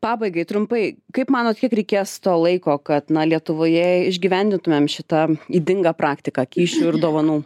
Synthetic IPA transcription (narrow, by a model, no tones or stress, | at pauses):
pɑːbɐɪɡɐɪt̪ɾʊmpɐɪkɐɪpmɑːnoːt̪̚kʲiɛkɾʲɛɪkʲeːst̪oːlˠɐɪkoːkɐt̪nɐlʲiɛt̪ʊʋoːjɛɪʒʲɡʲiʋʲɛnʲd̪ʲɪnt̪ʊmʲeːmʃʲɪt̪ɐiːd̪ʲɪŋɡɐpɾɑːkt̪ʲɪkɐkʲiːʃʲʊɪɾd̪oːʋɐnuː